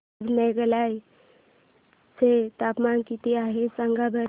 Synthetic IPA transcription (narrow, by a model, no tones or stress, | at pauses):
bʱneɡəlaj | set̪apmaːnkit̪iaɦesəŋɡabʱəɾ